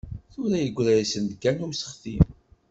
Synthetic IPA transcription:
θʊɾæjəɡʷːɾæjisənd̪ɡænuɾsə̥χθim

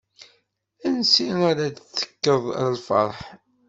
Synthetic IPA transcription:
ænsiaɾadθːə̥kːəðˤlfɑ̰ɾˤħ

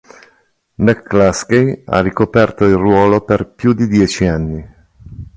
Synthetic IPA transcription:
mɛkːlaskeja̰rːikopɛrt̪oilrwɔːloperpjud̪id̪jɛːt͡ʃianːi

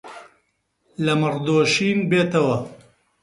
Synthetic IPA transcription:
lɐmɨrd̪oːʃiːnbeːt̪ɐwɐ

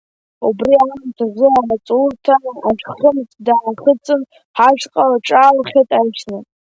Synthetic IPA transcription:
ubriamntʰazɨamat͡sʼurtʰamaʒᶣχəmt͡sʼdaʕaχət͡sʼɨn | ħaʒqʼalaʈ͡ʂʼaːlχʲajtʼajt͡ʃʰnɨ

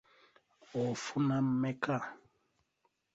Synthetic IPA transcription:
ɔfunammɛkʰa

